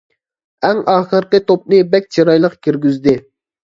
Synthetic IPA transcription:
ɛŋɑːχɨɾqət̪op̚nɨbɛk̚ʲt͡ʃʰiɾɑjlˠəqkʲʰiɾɡʲyzd̪ɪ

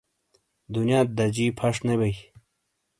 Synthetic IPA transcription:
d̪unjaːt̪̚d̪ɐd͡ʑiːpʰɐʂnebɐj

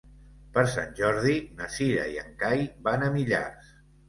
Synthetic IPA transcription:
pəɾsa̰nʲʒɔɾð̞inəsiɾə̰iəŋkajbanəmiʎa̰ɾs

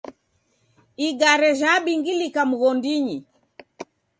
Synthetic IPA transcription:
iɡaɾɛʒaɓiŋɡilikamuɣɔndiɲi

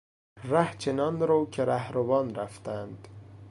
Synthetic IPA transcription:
ɾæht͡ʃʰenɑːnɾoːkʰeɾæhɾovɒːnɾæft̪ænd̪̥

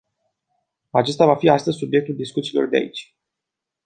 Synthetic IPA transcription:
at͡ʃe̞st̪avafiast̪əzʲsubje̞k̚t̪uld̪iskut̪silo̞̰rd̪ea̰it͡ʃʲ

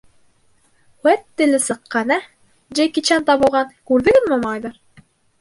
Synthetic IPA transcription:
wæt̪ːɘ̆lɘsɤ̆qːɑnæ | d͡ʒejkit͡ɕænt̪ɑβɤ̆lˠʁɑnkʉɾðɘ̆ɡɘnmomɑjd̪ɤɾ

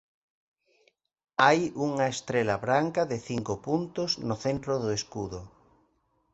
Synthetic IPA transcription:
ajuŋɐest̪ɾelaβɾaŋkɐðɪθiŋkʊpunt̪ʊznʊθent̪ɾoðʊeskuðʊ

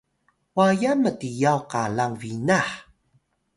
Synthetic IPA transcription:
wajamətijawqalaŋvinaħ

